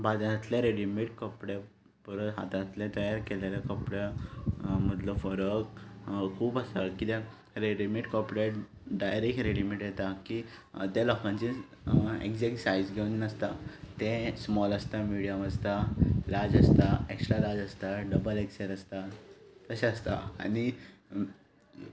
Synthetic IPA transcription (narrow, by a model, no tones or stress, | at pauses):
bad͡z̪t̪lẽɾeɽimiʈkɔpɽe | fəɾəɦa̰t̪ãt̪lɛ̃t̪əjaɾkelalakɔpɽa | m̤əd̪ləfəɾəkkʰuːpəsakit̪ɛ̃ | ɾeɽimeʈkɔpɽeʈɖajɾekʈɾeɽimeʈjɛt̪akit̪ɛlɔkãnt͡ɕĩ | ḛkd͡zeksajzɡʱeunnəst̪at̪ɛ̃smɔləst̪amiɽijəməst̪alaɾd͡zəst̪aeksʈɾalad͡zəst̪aɖəbəlekseɾəst̪at̪əɕeəst̪a̰a̰ni